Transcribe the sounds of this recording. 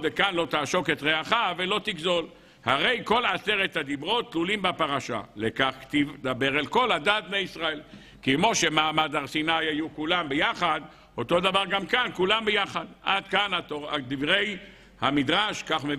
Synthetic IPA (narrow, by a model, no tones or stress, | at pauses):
ekanlo̞t̪aːʃo̞ket̪ʁeaχavelo̞t̪iɡzo̞l | haʁe̞jko̞laseʁet̪had̪ibʁo̞t̪̚t̪ːlulimbapaʁaʃa̰lekaχkt̪ivd̪abe̞ʁalko̞lad̪aːt̪̚bnejisʁael | kemo̞ʃemaːmad̪aʁsinajajukulambejaχad̪ | ot̪o̞d̪avaʁɡamkankulambejaχad̪ʔad̪kanatoad̪ivʁe̞j | hamid̪ʁaʃkaχme